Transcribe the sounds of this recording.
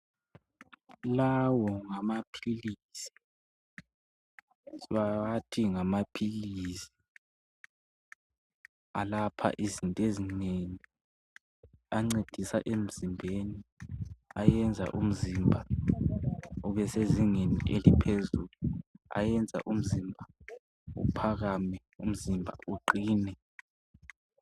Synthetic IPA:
lawɔŋamapʰilisi̥ | βaatʰiŋamapʰilisi̥ | alapʰa̰ʔizintʼezineni | aŋ͡ǀed̥ʱisa̰ʔem̩z̥imbʱeni | ajɛnd͡zʱa̰ʔum̩zimbʱa | uβɛseziŋeniʔelipʰezuːlua̰jɛnd͡zʱa̰ʔum̩zimbʱa | ṵpʰaɣamɛ | um̩zimbʱa̰uǃiːnɛ

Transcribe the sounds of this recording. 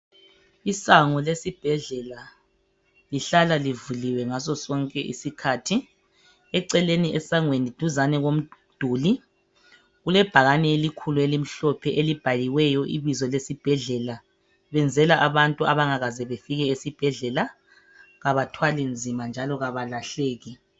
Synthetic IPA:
isaŋɔlesib̥ʱɛɮɛla | liɬalalivuliwɛŋasɔsɔŋkʼɛʔḭsikʰaːtʰi | ɛǀɛleniʔɛsaŋwenid̥ʱuzanɛɣom̩d̥ʱuːli | ɣulɛb̥ʱaɣanɛelikʰuluelim̩ɬɔpʰɛʔelib̥ʱaliwɛjɔʔiβizɔlesib̥ʱɛɮɛla | βɛnd͡zʱɛlaʔaβantʼuaβaŋaɣazɛβefiɣɛesib̥ʱɛɮɛla | ɣaβatʰwalind͡zʱimand͡ʒʱalɔɣaβalaɬeːɣi

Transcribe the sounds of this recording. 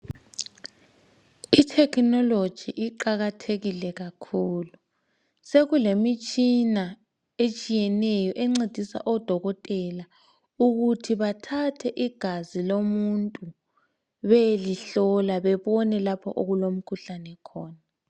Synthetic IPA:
itʰɛknɔlod̥ʒ̥ʱiʔiǃaɣatʰeɣilɛɣakʰuːlu | seɣulemit͡ʃʼina | et͡ʃʼijɛnɛjɔʔeŋ͡ǀed̥ʱisa̰ʔɔd̥ʱɔɣɔtʼɛla | uɣutʰiβatʰatʰɛʔiɡ̥ʱazilomuntʼu | βeliɬɔlaβɛβɔnɛlapʰɔ̰ʔoɣulom̩kʰuɬanɛkʰɔːna

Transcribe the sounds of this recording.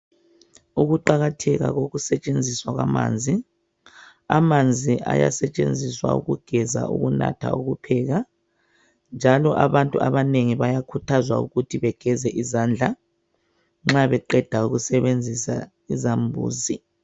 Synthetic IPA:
uɣuǃaɣatʰɛɣa̰ɣoɣusɛt͡ʃʼend͡zʱiswaɣwama̰ːnd͡zʱi | amand͡zʱiʔa̰ja̰sɛt͡ʃʼend͡zʱiswa̰uɣuɡ̥ʱɛza̰ṵɣuna̰tʰa̰uɣupʰɛɣa | nd͡ʒʱalɔʔaβantʼuaβaneŋiβajakʰutʰazwaṵɣutʰiβɛɡ̥ʱɛzɛʔizand͡ɮʱa | ŋ͡ǁaβɛǃɛd̥ʱauɣusɛβend͡zʱisa̰ | izambʱṵːzi

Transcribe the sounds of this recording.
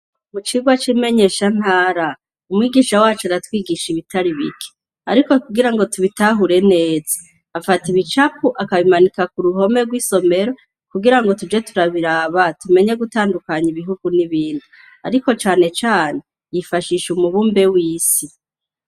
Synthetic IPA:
mut͡ʃiɡwat͡ʃime̞ɲe̞ːʃan̥haːɾa | umŋiːɡiʃawaːt͡ʃoaɾatwiːɡiʃiβitaɾiβḭkʰe̥ | a̰ɾiko̞kuɡiɾaŋɡo̞tuβitaɦuɾe̞ne̞ːzḁ | afatiβit͡ʃapuʔakaβimanikakuɾuɦo̞me̞ɾɡwiso̞me̞ɾo̞ | kuɡiɾaŋɡo̞tud͡ʒe̞tuɾaβiɾaːβatume̞ɲe̞ɡutaːndukaɲiβiɦuɡuniβiːndu | a̰ɾiko̞t͡ʃaːne̞t͡ʃaːne̞ | jifaʃiːʃumuβuːmbe̞wiːsi

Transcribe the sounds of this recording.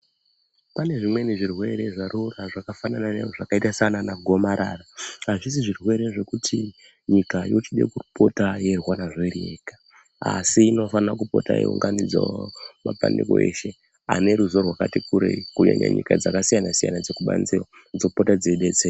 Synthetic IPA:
pane̞ʐimwe̞neʐirwe̞ɾe̞ʐaɾuraʐakafananane̞̰ʐoʐakaitasananaɡʱo̞maɾaːraɦaʐis̬iʐirwe̞ɾeʐe̞kutʰi | ɲikajot͡ʃiɗḛkupo̞taje̞rwanaʐerekḁ | a̰siːno̞fanrakupo̞̰taḭṵŋɡandid͡zaomapa̰ndeko̰e̞̰ːʃe̞ | a̰ne̞ɾuzo̞rwakatikuɾḛikuɲa̰ɲa̰ɲikad͡zakasijanasija̰nad͡ze̞kuɓa̰nzewa | d͡zo̞potad͡zeɗed͡ze

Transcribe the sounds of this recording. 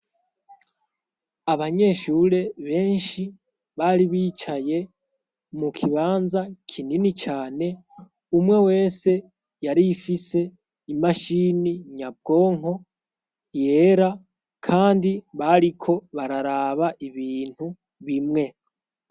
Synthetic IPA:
aβaɲe̞ʃuɾe̞βe̞ːnʃi | βaɾiβiːt͡ʃaje̞ | mukʰiβaːnzakʰininit͡ʃaːne̞ | umŋe̞we̞ːse̞ | jaɾifise̞ | imaʃiːniɲab̚ɡo̞ːŋo̞ | je̞ːɾa | kʰaːndiβaɾikʰo̞βaɾaɾaβaʔiβiːn̥hu | βimŋe̞

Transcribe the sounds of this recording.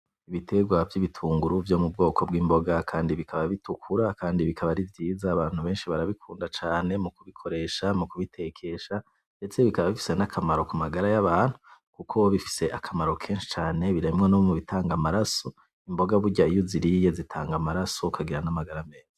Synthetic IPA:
iβitʰe̞ɡwavjiβitʰuːŋɡuɾuvjo̞mub̚ɡo̞ːko̞bɡiːmbo̞ɡakʰaːndiβikʰaβaβitukʰuɾakaːndiβikʰaβaɾivjiːzaːβaːn̥huβe̞ːnʃiβaɾaβikʰuːndat͡ʃaːne̞mukuβikʰo̞ɾe̞ʃamukuβitʰe̞kʰe̞ʃa | net͡seβikaβaβifi̥se̞nakʰamaɾo̞kumaɡaɾajaβaːn̥hukukʰo̞βifi̥se̞ʔakʰamaɾo̞kʰe̞ːnʃi̥t͡ʃaːne̞βiɾaimŋenoβomuβitʰaːŋɡamaɾaso̞ | imbo̞ɡaβuɟaijoziɾije̞zitʰaːŋɡamaɾaso̞kʰaɡiɾanamaɡaɾame̞ːz̥ḁ

